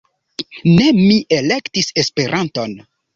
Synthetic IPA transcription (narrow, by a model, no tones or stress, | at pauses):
ne̞miʔelektise̞spe̞ɾʔanto̞n